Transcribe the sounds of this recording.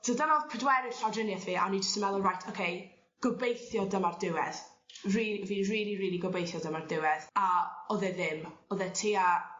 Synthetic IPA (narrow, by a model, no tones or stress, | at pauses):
sʰodanɔpʰədwɛɾɪ̥ɬawdrɪnjɛθviːʔa̰nid͡ʒəstəmɛlˠurajtʰokʰej | ɡ̥ɔbejθjɔdəmardɪwɛð | rilviːriːliriːlˠiɡɔbejθjɔdəmardɪwɛðaɔðɛðɪmɔðɛtʰiːa